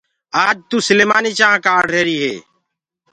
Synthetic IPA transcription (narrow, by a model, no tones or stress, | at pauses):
aːd͡ʒt̪uːsɪleːmaːnit͡ʃãːkaːɖɾeːɾiːɦḛː